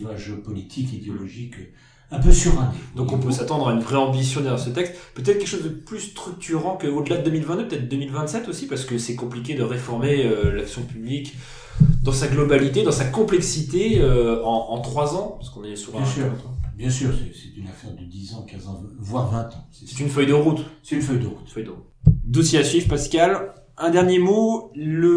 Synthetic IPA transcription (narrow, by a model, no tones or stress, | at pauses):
aʒeɔpɔlit̪ʰikid̪eɔlɔʒik | ɛ̃pøsyʁɛ̃d̪ɔ̃kɔ̃pøsat̪ɑ̃d̪ʁaynvʁɛɑ̃bisjɔ̃d̪ɛɐjaʁsət̪ɛkst̪pøt̪ɛt̪χəkʲɛkəʃozd̪əplyst̪χyk̚t̪yʁɑ̃kəod̪əlad̪əd̪əmilvɛ̃t̪d̪øpət̪ɛt̪̚d̪əd̪əmilvɛ̃t̪sɛt̪osipaʁsə̥kəsɛkɔ̃plik̬ʲed̪əʁefɔʁmeølaksjɔ̃pyblik | d̪ɑ̃saɡlɔbalit̪ed̪ɑ̃sakɔ̃plɛksit̪eøɑ̃ːt̪χwazɑ̃paskɔ̃nɛsuʁsʁ̃t̪bjɛ̃syʁsɛsɛt̪ynafɛʁd̪əd̪izɑ̃kʲɛ̃zɑ̃vwaʁvɛ̃t̪ɑ̃sɛsɛt̪ynfœjd̪əʁut̪sɛt̪ynfœjd̪əʁut̪fœjd̪əʁut̪d̪osjeasɥivpaskal | ɛ̃d̪ɛʁnjemoːə